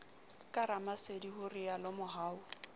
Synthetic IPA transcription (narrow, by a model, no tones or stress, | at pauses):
kʼaɾamasedihʊrɪalɔmʊɦaːʊ